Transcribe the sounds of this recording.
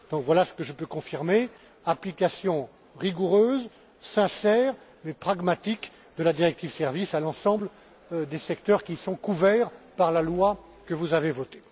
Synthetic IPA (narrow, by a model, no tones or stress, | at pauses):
d̪̥ɔ̃kvwalasə̥kəʒəpøkɔ̃fiʁme | aplikasjɔ̃ | ʁiɡuʁøːz | sɛ̃sɛːʁ | mɛpχaɡmat̪ik | d̪əlad̪iʁɛk̚t̪ivsɛʁvisalɑ̃sɑ̃bl | d̪esɛkt̪œʁkʲisɔ̃kuvɛːʁpaʁlalwa | kəvuzavevɔt̪e̥